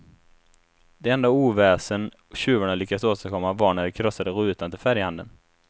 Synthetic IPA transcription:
d̪ɛɛnd̪auːvɛːsən | ɕʉ̟ːvʊɳalʏkːadsoːst̪akʰɔmːavaɳæɖɛkʰɾɔsːad̪əɾʉ̟ːt̪ant̪ʰɪlfæɾjəhand̪ə̰n

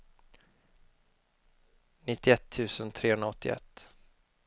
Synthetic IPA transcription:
nɪt̪ːɪɛt̪ʰːʉ̟ːsənt̪ʰɾeːhɵnɾaɔt̪ːɪ̰ɛ̰t̪ː

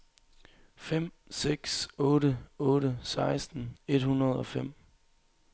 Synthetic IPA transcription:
fem̰ | seɡ̥sɔ̽ːɾəɔ̽ːɾəsɑ̈ɪsd̥n̩e̝d̥hunɐð̞̩ˠɒ̽fem̰

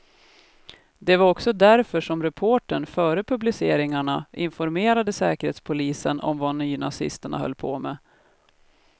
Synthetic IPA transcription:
d̪ɛvaɾɔksɔd̪æɾfœʂɔmɾɛpʰoːʈəɳfœːɾəpʰɵblɪseːɾɪŋaɳaʔɪnfɔɾmeːɾad̪əsɛ̰ːkəɾheːt̪spʰʊliːsənʔɔ̰mvanyːna̰sɪ̰st̪əɳa̰hœ̰lːpʰo̰ːmɛ̰

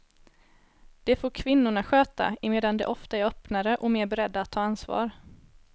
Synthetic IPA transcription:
d̪̥ɛfoːɾkʰvɪnːʊɳaɧøːt̪a̰ɪmeːd̪and̪ɛ̰ʔɔft̪aæɾœpnaɾəʔɔmeːɾbɛɾɛd̪ːaat̪ʰːɑːansvɑ̰ːɾ

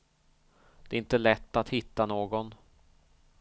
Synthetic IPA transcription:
d̪̥ɛːɾɪnt̪əlɛt̪ːat̪hɪt̪ːanoːɡɔn

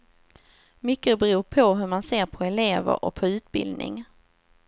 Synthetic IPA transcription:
mʏkːəbɛɾuːpʰɔɦɵɾmanseːɾpʰɔɛleːvə̰ɾʔɔ̰k̚pʰɔʉ̟ːt̪bɪ̰ld̪nɪ̰ŋ

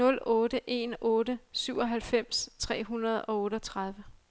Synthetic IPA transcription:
ɔ̽l̰ɔ̽ːɾəʔe̝̰ːnɔːɾəsyʊ̰ɒ̽ɦælfem̰st͡sʰʁɛ̰ːɦunɐð̞ˠɒ̽ɔ̽ːɾəɒt͡sʰʁɑ̈ð̞ˠʋə

